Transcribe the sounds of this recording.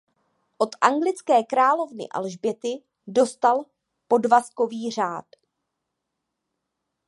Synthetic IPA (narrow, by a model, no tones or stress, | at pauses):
ʔo̞t̪ʔaŋɡlɪt͡skɛːkɾaːlo̞vnɪ̰ʔa̰lʒbjɛt̪ɪ | do̞st̪al | po̞dvasko̞viːr̝aːt̪